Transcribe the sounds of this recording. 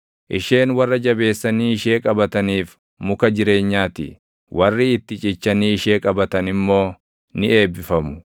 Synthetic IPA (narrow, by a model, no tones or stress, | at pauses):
ʔɪʃe̞ːnwɐrːɐd͡ʒɐbe̞ːsːɐniɪʃe̞ːkʼɐbɐt̪ɐniːf | mʊkɐd͡ʒɪɾe̞ːɲːaːt̪ɪ̰ | wɐrːɪɪt̪ːɪt͡ʃʼɪt͡ʃːɐniɪʃeːkʼɐbɐt̪ɐnɪmːo̞ː | nɪʔe̞ːbːɪfɐmʊ